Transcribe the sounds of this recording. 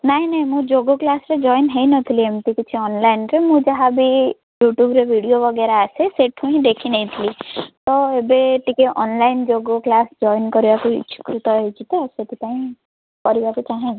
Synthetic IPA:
naɦĩnaɦĩmũd͡ʒoɡoklasɾed͡ʒɔjnɦejnɔt̪ʰiliemʈ̪ikit͡ʃʰiɔnlajnɾemũd͡ʒaɦabʱi | juʈjubɾebʱiɽijobʱɔɡeɾaːseseʈʰũĩd̪ekʰinet̪ʰilit̪ɔebeʈikeʔɔnlajnd͡ʒoɡoklasd͡ʒɔjnkɔɾibakṵt͡ʃi̥kɾut̪ɔɦet͡ʃʰit̪eset̪ʰipaĩ | kɔɾibakut͡ʃaɦẽ

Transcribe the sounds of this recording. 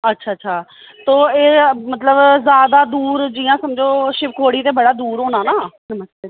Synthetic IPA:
ətːʃʰaːtːʃʰaː | t̪oːeːmət̪ləbzjaːd̪aːd̪uːɾd͡ʒijãːsəmd͡ʒoːʃɪp̚kʰoːɽiːt̪eːbəɽaːd̪uːɾɦoːnãːnaːnəməst̪e

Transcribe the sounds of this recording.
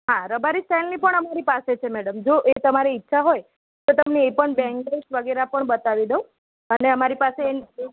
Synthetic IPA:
ɦãɾəbaɾisʈɛnlipəɳəmaɾipaset͡ʃʰemɛɽəmd͡ʒoʔet̪əmaɾiːtːʃʰaɦoj | t̪ot̪əmneepəɳbɛ̃ŋɡesʋəɡeɾapəɳbət̪aʋid̪əũ | əneəmaɾipase

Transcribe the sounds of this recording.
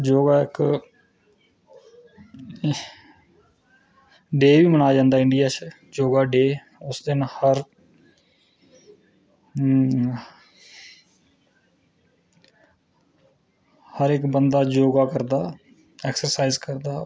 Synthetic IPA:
d͡ʒoːɡaːɪk | ɖeːʋiːmənaːd͡ʒãːnd̪aːɪɳɖijaːt͡ʃː | d͡ʒoːɡaːɖeː | ʊsd̪ɪnhəɾ | həɾɪkbənd̪aːd͡ʒoːɡaːkəɾd̪aː | ɛːksəɾsaːizkəɾd̪aː

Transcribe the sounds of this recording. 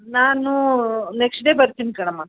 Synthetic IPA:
naːnuneksʈɖeːbɐɾt̪inikɐɽ̃ɐmːaː

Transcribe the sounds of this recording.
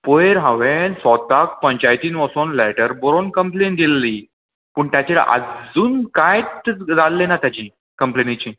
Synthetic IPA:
poeɾɦə̃ʋẽsɔt̪ak̚pəɲt͡ɕajt̪iːnʋəsonlɛʈəɾbɔɾonkəmplend̪ilːi | pəːɳt̪jat͡ɕeɭə̰d͡zuːnkajt̪d͡zalːenat̪jat͡ɕĩ | kəmplenit͡ɕiː

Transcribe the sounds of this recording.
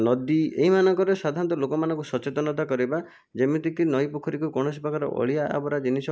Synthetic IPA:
nɔd̪ieɦimanɔŋkɔɾeswad̪ʱaɾɔnt̪ɔlokɔmanɔ̃ŋkusɔt͡ʃet̪ɔnɔt̪akɔɾiba | d͡ʒemit̪ik̪inɔjpukʰɔɾikukɔɽ̃ɔs̬ipakʰaɾɔ̰ʔɔ̰ɭijaʔa̰bɔɾad͡ʒinisɔ

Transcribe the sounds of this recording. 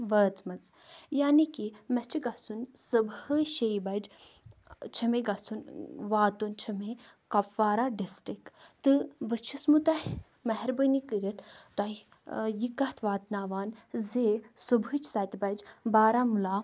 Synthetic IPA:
ʋəːt͡smɐt͡s | jaːnikimɐt͡ʃʰiɡɐsunsɨbəʃejbɐjd͡ʒ | t͡ʃʰɐmeɡɐt͡sunʋaːt̪unt͡ʃʰɐmekɐpʋaːɾaɖisʈɾikt̪ɨbɨt͡ʃʰismut̪ɐhʲ | mɐɦɛɾbənikɨɾɐt̪ʰt̪ɐi | jikɐt̪ʰʋaːt̪naːʋaːnzeːsubɨt͡ʃʰsɐjt̪bɐjd͡ʒbaːɾaːmulaː

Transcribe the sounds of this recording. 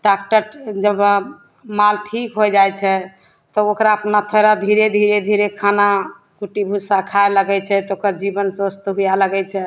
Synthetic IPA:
ɖak̚ʈəɾd͡ʒəb | malʈʰikɦod͡ʒajt͡ʃʰɛ | t̪ɔokɾaəpnat̪ʰəɾad̪ʱiɾed̪ʱiɾed̪ʱiɾekʰana | kuʈibʱusakʰaeləɡɛt͡ʃʰɛt̪okəɾd͡ʒibənsost̪ɦujaləɡɛt͡ʃʰɛ

